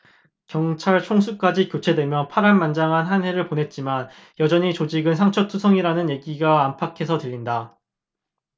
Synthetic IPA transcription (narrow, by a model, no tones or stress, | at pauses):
kjʌŋt͡ɕʰaɭt͡ɕʰoŋs̬ʰuk͈ad͡ʑikjot͡ɕʰe̞dwe̞mjʌnpʰaɾanmand͡ʑaŋɦanɦanɦe̞ɾɯɭponɦe̞t̚t͡ɕ͈iman | jʌd͡ʑʌɲit͡ɕod͡ʑiɡɯnsʰaŋt͡ɕʰʌtʰusʰʌŋiɾanɯnje̞ɡiɡaːmpʰakʰe̞sʰʌtɯʎːinda